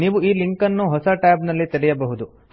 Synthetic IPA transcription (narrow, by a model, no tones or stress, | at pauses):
niːʋuiːliŋkɐnːuɦɔsɐʈaːbnɐlːit̪ɛɽɛjɐbɐɦud̪u